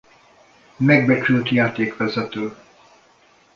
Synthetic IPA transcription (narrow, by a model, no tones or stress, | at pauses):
mɛɡ̚bɛt͡ʃylt̪jaːt̪eːkʋɛzɛt̪øː